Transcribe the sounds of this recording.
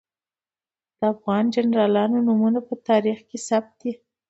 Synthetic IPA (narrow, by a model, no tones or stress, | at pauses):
d̪̥əafɣɑnd͡ʒanɾɑlɑnonumunapət̪ɑɾixkesap̚t̪̚d̪i